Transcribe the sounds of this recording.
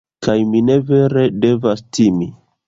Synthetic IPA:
kajmine̞ve̞ɾe̞de̞vastimi

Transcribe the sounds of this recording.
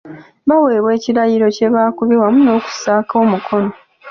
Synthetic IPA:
βawe̞ːβwe̞ːciɾajiɾo̞ce̞βaːkuβiwamuno̞ːku̥saːkʰo̞ːmukʰo̞no̞

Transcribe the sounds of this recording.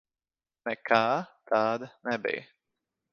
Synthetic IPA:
nɛkʰaːt̪ʰaːd̪nɛbɪ̰

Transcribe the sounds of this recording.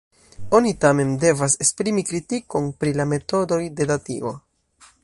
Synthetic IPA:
o̞nitame̞nde̞vase̞spɾimikɾitiko̞npɾilame̞to̞do̞jde̞datḭo̞̰

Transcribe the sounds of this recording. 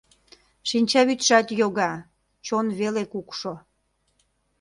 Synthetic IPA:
ʃinʲt͡ɕɑβyt̪ʃɑt̪joɣɑ | t͡ɕonβelekukʃo

